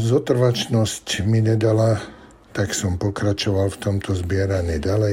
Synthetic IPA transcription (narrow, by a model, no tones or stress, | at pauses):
zɔt̪r̩ʋat͡ʃnɔscmiɲɛd̪ala | t̪aksɔmpɔkɾat͡ʃɔʋalft̪ɔmt̪ʰɔzbɪɛɾaɲiːɟalɛ